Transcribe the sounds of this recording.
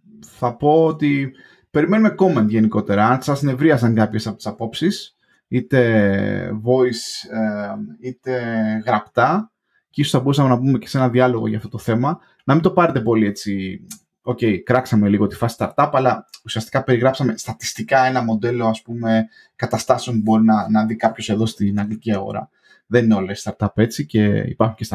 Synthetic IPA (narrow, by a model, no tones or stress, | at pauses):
θɐpo̞ot̪i | pe̞ɾime̞nume̞ko̞me̞nt̪ʝe̞niko̞t̪e̞ɾɐɐnksɐsne̞vɾiɐs̬ɐŋkɐpçe̞sɐpot̪i̥sɐpo̞psis | it̪e̞ | vo̞iseit̪e̞ɣɾɐpt̪ɐ | cisosθɐbo̞ɾusɐme̞nɐpume̞ce̞̥se̞nɐðiɐlo̞ɣo̞̰ʝɐ̰ft̪o̞t̪oθe̞mɐ | nɐmind̪o̞pɐɾet̪e̞po̞lie̞t͡si | o̞ce̞ikɾɐksɐme̞liɣo̞t̪i̥fɐsi̥st̪ɐɾt̪ɐpɐlɐusiɐst̪i̥kɐpe̞ɾiɣɾɐpsɐme̞st̪ɐt̪i̥st̪ikɐe̞nɐmo̞d̪e̞lo̞ɐspume̞ | kɐt̪ɐst̪ɐsio̞npubo̞ɾinɐnɐðikɐpço̞se̞ðo̞st̪inɐŋɡliciɐɣo̰ɾɐ̰ | ðe̞nineo̞lest̪ɐɾt̪ɐpe̞t͡sice̞ḭpɐɾxuɲcest